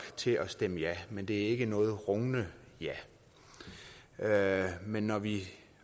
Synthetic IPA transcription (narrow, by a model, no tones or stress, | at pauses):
ɡ̥t͡sʰe̝ɒ̽sd̥eməjæmend̥e̝æɐe̝ɡ̥ənɔ̽ːð̞̩ˠʁɔŋnəjæ | menːɒʋi